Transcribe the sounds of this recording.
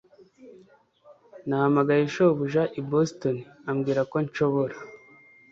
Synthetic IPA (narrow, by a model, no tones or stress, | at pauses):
nahamaɡajeʃoβuʒaʔibostoniamɡiːɾako̞nt͡ʃo̞βo̞ɾa